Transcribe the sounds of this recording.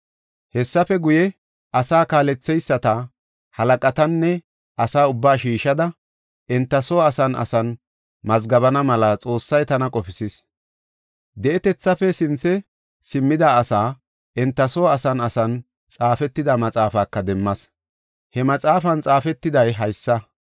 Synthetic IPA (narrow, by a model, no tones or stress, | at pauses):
hɛsːɐfɛɡʊjɛ | ʔɐsaːkaːlɛt͡sːɛjsːɐt̪ɐ | hɐlɐkʼɐt̪ɐnːɛ | ʔɐsaːʊbːaːʃiːʃɐd̪ɐ | ʔɪnt̪ːɐsoɐsɐnɐ̰sɐn | mɐzɡɐβɐnɐmɐlɐt͡sʼo̞ːsːɐjt̪ɐnɐkʼɔpɪsɪs | d̪ɛʔɛt̪ɛt͡sːɐfɛsɪnt͡sːɛ | sɪmːɪd̪ɐːsaː | ʔɛnt̪ːɐsoɐsɐnɐ̰sɐn | t͡sʼaːfɛt̪ːɪd̪ɐmɐt͡sʼaːfaːkːɐd̪ɛmːɐs | hɛmɐt͡sʼaːfɐnt͡sʼaːfɛt̪ːɪd̪ɐjɦɐjsːɐ